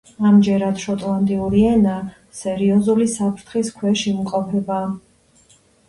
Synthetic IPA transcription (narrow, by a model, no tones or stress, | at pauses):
amd͡ʒɛɾad̪ʃɔt̪ʼlˠand̪ʼiuɾiɛna | sɛɾiɔzulisapʰɾt̪ʰχiskʰwɛʃimqʼɔpʰɛba